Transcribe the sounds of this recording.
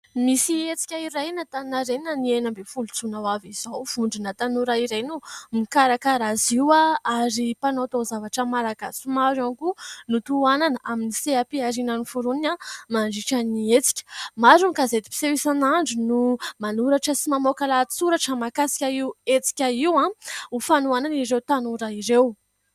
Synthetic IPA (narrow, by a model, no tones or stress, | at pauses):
misiet͡si̥kʲaiɾajnat̪annaɾenənienəmbefulut͡sunawaviz̥awv̥uɳɖ͡ʐinat̪anuɾaiɾajnumikaɾakaɾaziwaaɾipanot̪ozavaʈ͡ʂəmaɾaɡasumaɾaŋkunut̪uananəʔaminiseapiaɾinənifuɾunamaɳɖ͡ʐiʈ͡ʂaniet͡si̥kʲə̥maɾunkazed̪i̥pi̥sewisanaɳɖ͡ʐunumanuɾaʈ͡ʂəsimamokalat͡suɾaʈ͡ʂəmakasi̥kʲaiwet͡si̥kʲaiwãufanuananiɾewt̪anuɾaiɾew